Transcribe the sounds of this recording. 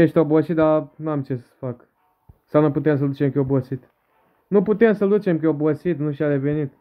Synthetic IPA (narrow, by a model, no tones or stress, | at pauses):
eʃt̪obuɐsid̪anamt͡ʃessfak | sanɐ̃put̪ẽns̬ɐlut͡ʃẽmkobosit̪ | nũput̪ẽsɐlut͡ʃẽmkʲeobuɐsit̪nũʃad̪evenid̪